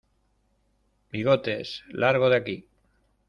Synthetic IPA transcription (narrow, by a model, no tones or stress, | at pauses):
biɣot̪e̞slʔaɾɣ̞oð̞aki